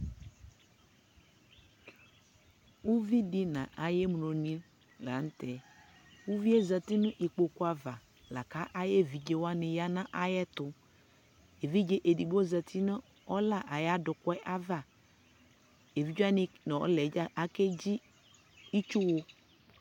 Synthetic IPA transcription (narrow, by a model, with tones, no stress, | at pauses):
wu˦vi˦di˦nã̰˨ʔa˨jɛ˦m˨no˨nĩ˦l | la˨˦n˦t̪ɛ˨ | wu˦vi˦e˦za˨t̪i˦nʊ̃˦ʔi˨k͡po˨ku˦a˨va˨ | la̰˨ka˦ʔa˦jɛ˦vi˨d͡ʒe˦wa˦nɪ̃˨ja˦nã˦ʔa˦jɛ˦t̪ʊ˨ | e˨vi˦d͡ʒe˦ʔe˨di˨bo˦za˨t̪ʰi˦nə̃˦ | ɔ˦la˦˨ʔa˨ja˦dʊ˨kɛ˦ʔa˦va˦˨ | e˨vi˦d͡ʒu˦a˦nɪ˦n˨ɔ̰˦lɛ˨˦a˦ke˦d͡ʑi˦ | i˦t͡ʃu˦wo˦